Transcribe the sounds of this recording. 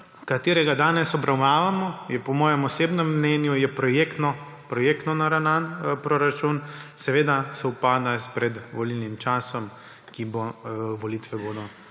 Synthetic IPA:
kat̪eːɾɛɡad̪aːnɛsɔbɾawnaːʋamɔjɛpɔmɔːjɛmɔseːbnɛmːnɛnjujɛpɾɔjekt̪nɔ | pɾɔjekt̪nɔnaɾananpɾoɾat͡ʃunsɛʋeːd̪asɛupaːd̪aspɾɛd̪ʋɔlilnimt͡ʃaːsɔm | kiboʋɔlit̪ʋɛboːd̪ɔ

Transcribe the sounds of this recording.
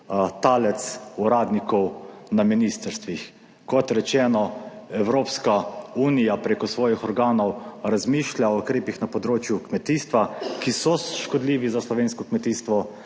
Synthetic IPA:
t̪aːlɛt̪suɾaːd̪nikɔwnaminiːst̪əɾst̪ʋix | kɔt̪ɾɛt͡ʃɛːnɔɛwɾoːpskauːnijapɾeːkɔsʋɔːjixɔɾɡaːnɔwɾazmiːʃlʲjaɔukɾeːpixnapɔd̪ɾoːt͡ʃjukmɛt̪iːst̪ʋakisɔʃkɔd̪liːʋizaslɔʋeːnskɔkmɛt̪iːst̪ʋɔ

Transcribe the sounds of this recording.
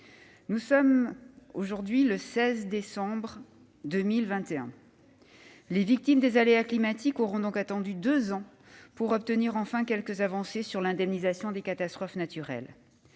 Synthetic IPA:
nusɔmoʒuʁd̪ɥiləsɛzd̪esɑ̃bʁ | d̪ømilvɛ̃t̪eɛ̰̃ | levik̚t̪imd̪ezaleaklimat̪ikoʁɔ̃d̪ɔ̃kat̪ɑ̃d̪yd̪øzɑ̃ | puʁɔp̚t̪əniʁɑ̃fɛ̃kʲɛlkəzavɑ̃sesyʁlɛ̃d̪ɛmnizasjɔ̃d̪ekat̪ast̪χɔfnat̪yʁɛ̰l

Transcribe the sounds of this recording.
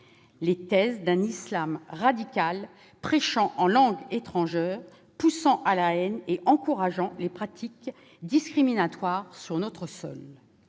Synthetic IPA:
let̪ɛzd̪ɛ̃nislamʁad̪ikʲal | pχɛʃɑ̃ʔɑ̃lɑ̃ɡet̪χɑ̃ʒɛʁ | pusɑ̃ʔalaɛneʔɑ̃kuʁaʒɑ̃lepχat̪ʰik | d̪iskχiminat̪waʁsyʁnɔt̪χəsɔ̰l

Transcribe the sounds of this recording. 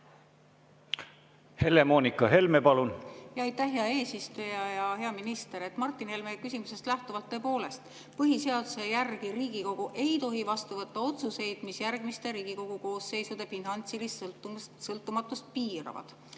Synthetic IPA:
he̞le̞moːnikɑɦe̞lmepɑlunjɑɑjt̪ːæhɦeɑe̞ːsist̪ujɑjɑɦe̞ɑminist̪e̞ɾe̞t̪ːˑmɑrt̪ːˑinhe̞lmekysʲimuse̞st̪læht̪uvɑlt̪ːɤ̞ːpo̞ːle̞st̪ | pɤɦise̞ɑd̪use̞jærɡ̥iɾiːɡ̥iko̞ɡ̥uʔe̞jt̪o̞ɦivɑst̪uvɤt̪ːɑo̞t̪suse̞jd̪̥misjærɡ̥mist̪e̞ɾiːɡ̥iko̞ɡ̥uko̞ːsːe̞jsud̪e̞finɑnt̪silist̪usɤlt̪ːˑumɑt̪ːˑust̪̚piːɾɑ̰vɑ̰d̪̥

